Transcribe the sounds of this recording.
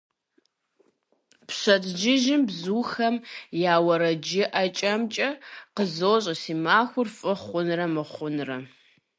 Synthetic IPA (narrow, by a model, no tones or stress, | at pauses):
pɕɐtd͡ʒɪʒɪmbzuːxɐmjaːwɐɾɐd͡ʒɪʔɐt͡ʃʼɐmt͡ʃʼɐqəzoːɕʼɐsiːmaːxʷʊrfʼɨχʷʊnrɐmɨχʷʊnrɐ